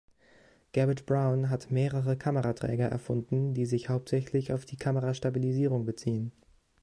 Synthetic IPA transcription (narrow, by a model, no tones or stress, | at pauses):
ɡ̥ɛbɪtb̥ʁaʊnɦatmeːʁəʁəkʰaməʁatʁ̥ɛ̰ːɡɐʔɛ̰ɐfʊndn̩diːzɪçhaʊp̚tz̥ɛçlɪçaʊfd̥iːkʰaməʁaʃtabiliziːʁʊŋbət͡siːən